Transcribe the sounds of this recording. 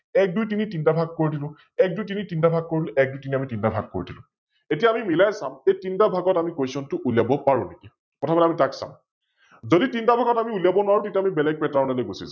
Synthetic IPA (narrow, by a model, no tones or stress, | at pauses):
ɛk̚dujt̬initintabʱaɡ̚koɹidilʊ̃ | ɛk̚dujt̬initintabʱaɡ̚kːoɹilɛk̚dujtiniamitintabʱa̰ɡ̚ko̰ɹidilʊ̰̃ | etiaːmimilajsamejtintabʱaɡɔtamikojsɔntʊʔuljabɔpaɹũneki | pɔtʰabanamitaksã̰m | zoditintabʱaɡɔtamiuljabɔnʊwaɹutetiamibɛlɛɡ̚pɛtaɹnɛlojɡusisã